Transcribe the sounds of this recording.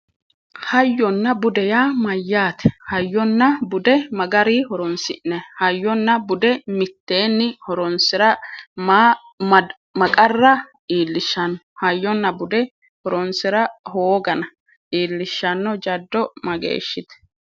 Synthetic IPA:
hɐjːɔnːɐbʊd̪ɛjaːmɐjːaːt̪ɛ̥hɐjːɔnːɐbʊd̪ɛmɐɡɐɾihɔɾɔnsɪʔnːɛhɐjːɔnːɐbʊd̪ɛmɪt̪ːe̞ːnːɪhɔɾɔnsɪɾɐm | mɐkʼɐrːɐ | ʔiːlːɪʃːɐnːɔhɐjːɔnːɐbʊd̪ɛ | hɔɾɔnsɪɾɐhoːɡɐnɐ | ʔiːlːɪʃːɐnːɔd͡ʒɐd̪ːɔmɐɡḛːʃːɪt̪ɛ̥

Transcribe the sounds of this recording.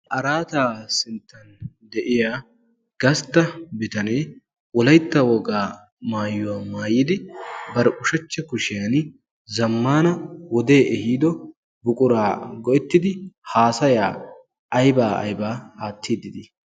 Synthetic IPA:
ʔɐɾaːt̪aːsɪnt̪ːɐn | d̪ɛʔɪjaː | ɡ̥ɐst̪ːɐbɪt̪ɐneː | wɔlɐjt̪ːɐwɔɡaː | maːjːʊwaːmaːjɪd̪ɪbɐɾɛʔʊʃɐt͡ʃːɛkʊʃɪjan | zɐmːaːnɐwɔd̪eːʔɛhiːd̪ɔ | bʊkʼʊɾaːɡɔʔɛt̪ːɪd̪ɪhaːsɐjaː | ʔɐjbaːɐ̰jbaːhaːt̪ːiːd̪ɪd̪ɪ

